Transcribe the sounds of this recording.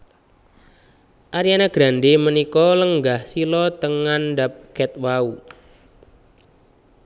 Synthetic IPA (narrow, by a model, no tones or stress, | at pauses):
ʔaɾijanaɡ̥ɾanɖemənikɔləŋɡahsilɔt̪əŋanɖap̚kɛt̪̚wau